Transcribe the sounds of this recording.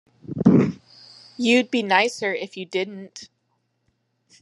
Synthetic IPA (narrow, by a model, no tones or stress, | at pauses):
jɨd̚binaɪsə˞ɪfjɨdɪdⁿn̩t